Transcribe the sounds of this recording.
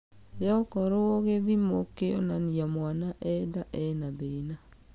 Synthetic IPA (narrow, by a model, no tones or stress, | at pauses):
jɔkɔɾooɣeðimokeonaniamwanaʔɛdaʔɛnaðena